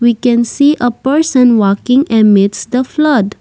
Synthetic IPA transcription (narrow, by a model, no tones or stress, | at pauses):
wikɛ̃nsiːʔəpəɾsə̃nwɔkɪ̃ŋəmɪdsd̪əflʌɖ